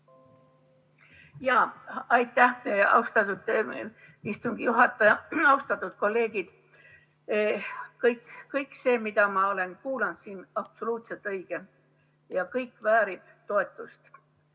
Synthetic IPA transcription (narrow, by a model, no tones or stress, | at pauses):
jɑːɑjt̪ːˑæhɑ̰ust̪ɑt̪ut̪ːe | ist̪uŋɡ̥ijuɦɑt̪ːˑɑjɑɑust̪ɑt̪ːˑut̪̚ko̞lːe̞ːɡ̥id̪̥ | kɤjkkːɤjkːse̞ːmid̪̥ɑmɑo̞le̞nkuːlɑnd̪siːnɑb̥so̞luːt̪selt̪ːˑɤjɡ̥e | jɑkɤjkːvæːɾib̥t̪o̞e̞t̪ːˑust̪